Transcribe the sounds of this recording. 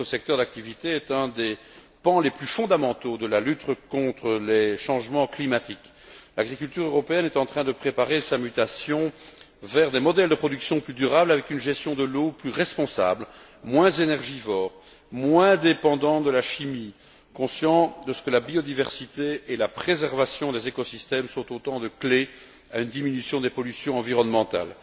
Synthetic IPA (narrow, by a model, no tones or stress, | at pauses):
əsɛk̚t̪œʁd̪ak̚t̪ivit̪eɛt̪ɛ̃d̪e | pɑ̃leplyfɔ̃d̪amɑ̃t̪od̪əlalyt̪kɔ̃t̪χəleʃɑ̃ʒmɑ̃klimat̪ik | laɡʁikʲylt̪yʁøʁɔpeɛnɛt̪ɑ̃t̪χɛ̃d̪əpχepaʁesamyt̪asjɔ̃ | vɛʁd̪emɔd̪ɛld̪əpχɔd̪yksjɔ̃plyd̪yʁablavɛkynʒɛst̪jɔ̃d̪əloplyʁɛspɔ̃sa̰bl | mwɛ̃zenɛʁʒivɔːʁ | mwɛ̃d̪epɑ̃d̪ɑ̃td̪əlaʃimi | kɔ̃sjɑ̃d̪əsə̥kəlabiɔd̪ivɛʁsit̪eelapχezɛʁvasjɔ̃d̪ezekɔsist̪ɛmsɔ̃t̪ot̪ɑ̃d̪əkle | aynd̪iminysjɔ̃d̪epɔlysjɔ̃ɑ̃viʁɔnmɑ̃t̪a̰l